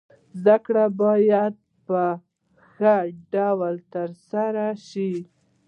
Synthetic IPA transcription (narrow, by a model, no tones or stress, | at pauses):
zd̪akɽabɑjad̪̚ | pə | xəɖawlt̪əɾsaɾaʃi